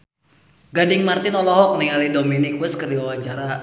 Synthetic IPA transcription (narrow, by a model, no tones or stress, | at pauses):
ɡadɪŋmart̪ɪnɔlɔɦɔk̚niŋalidominikwɛskərdiwawaɲt͡ʃaɾa